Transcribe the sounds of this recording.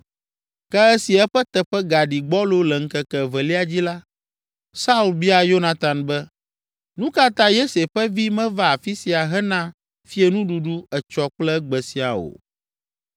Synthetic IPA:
kɛ˦ɛ˦si˨ɛ˦ɸɛ˦t̪ɛ˨ɸɛ˦ɡa˨ɖi˨ɡ͡bɔ˦lo˦lɛ˨ŋ̩˦kɛ˦kɛ˨vɛ˨li˦a˨d͡ʑi˦la˦ | sa˦u˦˨lbi˦a˨jo˦nã˦t̪a˨nbɛ˦ | nũ˦ka˦t̪ã˦je˦se˨ɸɛ˦vi˦mɛ̃˦va˦a˨fi˦si˨a˨ɦɛ˦nã˦ | fi˦e˦nũ˦ɖu˨ɖu˦ɛ˨t͡ʃɔ˦k͡plɛ˦ɡ͡bɛ˨si˨a̰˨o̰˨

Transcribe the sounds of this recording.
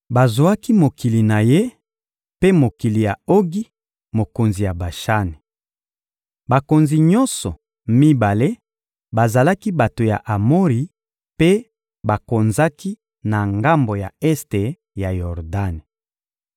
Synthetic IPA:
ba˨zwa˦ki˦mo˨ki˨li˨na˨je˦ | pe˦mo˨ki˨li˨ja˨o˦ɡi˦ | mo˨ko˨nzi˨ja˨ba˨ʃa˦ni˨ | ba˨ko˨nzi˨ɲɔ˦nsɔ˨ | mi˦ba˨le˦ | ba˨za˨la˦ki˦ba˨to˨ja̰˨ʔa˨mo˦ʁi˨ | pe˦ | ba˨ko˨nza˦ki˦ | na˨ŋɡa˦mbo˨ja˨ɛ˦ste˨ | ja˨jɔ˨ʁda˦ne˨

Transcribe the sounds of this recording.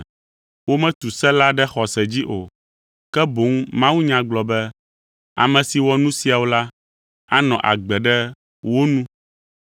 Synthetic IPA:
wo˦mɛ̃˦t̪u˨sɛ˦la˦ɖɛ˦xɔ˨sɛ˨d͡ʑi˦ʔo˨ | kɛ˦bo˨˦ŋmã˦wu˦ɲã˨ɡ͡blɔ˨bɛ˦ | a̰˨mɛ̃˨si˨wɔ˦nũ˦si˨a˨wo˦la˦ | a˦nɔ̃˨ʔa̰˨ɡ͡bɛ˨ɖɛ˦ | wo˦nũ˦

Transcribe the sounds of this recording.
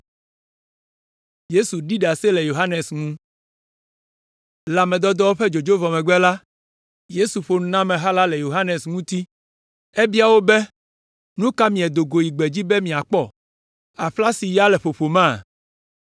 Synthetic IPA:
je˦su˨ɖi˦ɖa˨sɛ˦lɛ˨jo˨ɦa˦ne˨sŋũ˦ | la˨mɛ̃˨d̪ɔ˦d̪ɔ˦wo˦ɸɛ˦d͡ʒo˨d͡ʒo˦vɔ˨mɛ˨ɡ͡bɛ˦la˦ | je˦su˨ɸo˨n˦nã˦mɛ̃˨ɦa˦la˦lɛ˨jo˨ɦa˦ne˨sŋũ˦t̪i˦ | e˦bi˦a˨wo˦bɛ˦ | nũ˦ka˦mĩ˨ɛ˨d̪o˨ɡo˨ji˨ɡ͡be˨d͡ʑi˦bɛ˦mĩ˨a˨k͡pɔ˦ | a˨ɸla˦si˨ja˦lɛ˨ɸo˨ɸo˨mã˦˨

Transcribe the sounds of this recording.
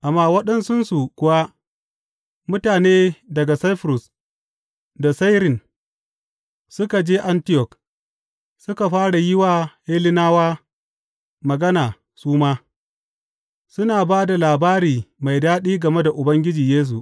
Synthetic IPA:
ʔa˨mːaː˦wɐ˦ɗɛ˦nsʊ˦nsu˨kʷʊ˨wa˦ | mʊ˦taː˨neː˦dɐ˨ɡa˨sa˦jɸɾʊ˨s | da˨sa˦jɾɪ˨n | sʊ˦ka˨d͡ʒeː˦ʔa˦ntɪ˦jɔ˨k | sʊ˦ka˨ɸaː˦ɽa˨jɪ˦waː˨heː˦lɪ˦naː˦waː˦ | mɐ˨ɡɐ˦naː˨ | suː˦maː˦ | sʊ˦naː˨baː˦da˨laː˨baː˦ɾiː˨ma˨jdaː˦ɗiː˦ɡɐ˨me˦da˨ʔʊ˨bɐ˦ŋɡʲɪ˦d͡ʒiː˨jeː˦s̬u˨ʔ

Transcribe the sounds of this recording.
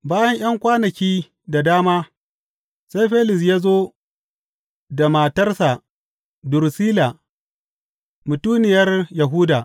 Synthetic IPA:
baː˦jɐ˦ɲʔɐ˦ŋkʷaː˦nɐ˨kʲiː˦ | da˨daː˦maː˦ | sa˦jɸeː˦lɪ˨s̬jaː˦zoː˦ | da˨ma˨tɐ˦rsa˨ | dʊ˨ɾsiː˦la˨ | mʊ˨tuː˦nɪ˨jɐ˦rjɐ˨ɦu˦daː˨

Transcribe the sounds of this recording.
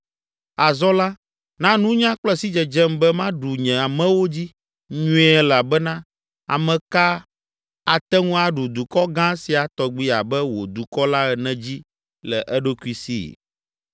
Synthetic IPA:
a˨zɔ˦la˦ | nã˦nũ˦ɲã˦k͡plɛ˦si˦d͡ʒɛ˨d͡ʒɛ˦m˦bɛ˦mã˦ɖu˨ɲɛ̃˨a˨mɛ̃˦wo˦d͡ʑi˦ | ɲũ˦ɛ˨la˨bɛ˦nã˦ | a̰˨mɛ̃˨ka˦ | a˨t̪ɛ˦ŋũ˦a˨ɖu˨d̪u˨kɔ˦ɡã˦si˨a˨t̪ɔ˨ɡ͡bi˦a˨bɛ˦wo̰˨d̪u˨kɔ˦la˦ɛ˨nɛ̃˦d͡ʑi˦ | lɛ̰˨ʔɛ˦ɖo˦ku˦i˦sḭ˦˨

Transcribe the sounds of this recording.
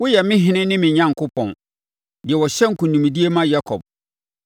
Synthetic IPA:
wʊ˦jɛ˨mɪ̃˦ɦɪ̃˦nɪ̃˦nɪ̃˦mɪ̃˨ɲã˦ŋ̩˨kʰʊ˦pʰɔ̃˨n | dɪ˨ɛ˨wɔ˨ɕɛ˦ŋ̩˨kʰũ˨nũ˨mĩ˨di˦e˦mã˦ja˦kʰɔ̰˨b̚

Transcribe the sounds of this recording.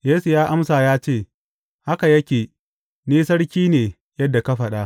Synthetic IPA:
jeː˦su˨jaː˦ʔa˦msaː˨jaː˦t͡ʃeː˦˨ | ha˦ka˨jɐ˦kʲeː˨ | niː˦sɐ˦ɽkʲiː˦neː˨ | jɐ˦dːa˨ka˦ɸɐ˨ɗa˦

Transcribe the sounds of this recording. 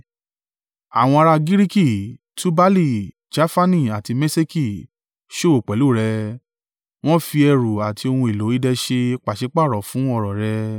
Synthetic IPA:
a̰˨w̃ɔ̃˧a˧ɾa˧ɡi˦ɾi˦ki˦˨ | tu˦ba˦li˦˨ | d͡ʒa˦fa˦nĩ˦˨a˨ti˧me˦se˦ki˦˨ | ʃo˦o˨k͡pɛ˨˦lu˦˨ɾɛ˧ | w̃ɔ̃˦fi˧ɛ˧ɾu˨a˨ti˧o˧hũ˧e˨lo˨˦i˦dɛ˧ʃe˧k͡pa˨ʃe˨˧˦k͡pa˦˨ɾɔ˨˦fũ˨˦ɔ˦˨ɾɔ˨ɾɛ˧

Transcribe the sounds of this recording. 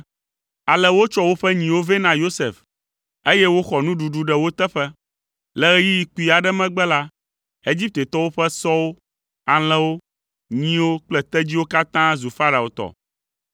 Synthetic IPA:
a˨lɛ˦wo˦t͡ʃɔ˦wo˦ɸɛ˦ɲĩ˨wo˦ve˦nã˦jo˦sḛ˨f | e˦jɛ˦wo˦xɔ˨nũ˦ɖu˨ɖu˨ɖɛ˦wo˦t̪ɛ˦ɸɛ˦ | lɛ˨ɣɛ˦ji˦ji˨ku˦i˨a˨ɖɛ˦mɛ̃˦ɡ͡bɛ˦la˦ | e˦d͡ʑi˦p̚t̪e˨t̪ɔ˦wo˦ɸɛ˦sɔ˦wo˦ | a˨l̃ɛ̃˦wo˦ | ɲĩ˦wo˦k͡plɛ˦t̪ɛ˦d͡ʑi˦wo˦ka˦t̪ã˦zu˨fa˦ɾa˨o˨t̪ɔ̰˨

